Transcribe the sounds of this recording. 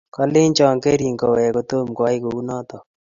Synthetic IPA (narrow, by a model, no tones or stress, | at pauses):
kɐleːnt͡ʃãːŋkeɾiŋkɐwekot̪omkaːikounãːt̪a